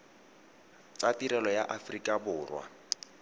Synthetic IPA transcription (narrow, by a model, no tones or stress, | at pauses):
t͡satiɾɛlɔjaʔafrikʼabʊːrwa̰